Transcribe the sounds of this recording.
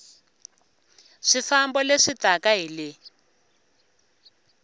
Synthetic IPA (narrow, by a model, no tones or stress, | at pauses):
ʂifambɔleʂitakaɦili